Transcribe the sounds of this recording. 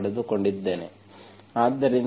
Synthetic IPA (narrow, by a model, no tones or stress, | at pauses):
ɽed̪uko̞ɳɖid̪ːe̞ːne | aːd̪ːɐɾin